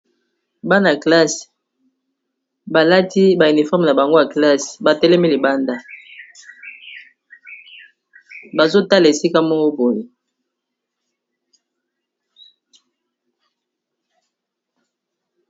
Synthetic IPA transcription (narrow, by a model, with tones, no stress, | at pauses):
ba˦na˨kla˦s | ba˨la˦ti˦ba˨i˨ni˨fɔ˦˨m˨na˨ba˨ŋɡo˦ja˨kla˦sba˨tɛ˦lɛ˦mi˦li˨ba˦nda˦ | ba˨zo˦ta˦la˨e˨si˦ka˦mɔ˦ŋɡo˦bo˨li˨